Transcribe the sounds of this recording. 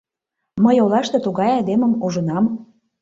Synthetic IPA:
məjolɑʃt̪et̪uɣɑjɑd̪eməmuʒə̆nɑm

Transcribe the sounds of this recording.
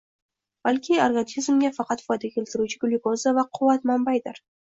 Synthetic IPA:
b̥alkʲɪoɾɡʲanizmɡʲafɑqʰɑt̪fɒjd̪aɡʲakʰʲelʲt̪ɪɾut͡ʃʰɪɡʊlˠɪkozavaqʰʊwːat̪mambajd̪ɪɾ

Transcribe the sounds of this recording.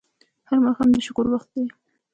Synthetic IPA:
haɾmaxamd̪əʃʊkʊɾwaxt̪̚d̪e

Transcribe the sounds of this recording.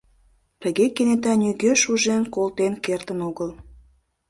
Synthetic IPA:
t̪əɣekenet̪̬ɑnʲyɣøʃuʒenkolt̪enkert̪ənoɣəl

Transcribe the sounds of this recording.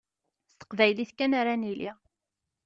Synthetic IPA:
θt̪ə̥qvæjliθkːænaɾanilḭ

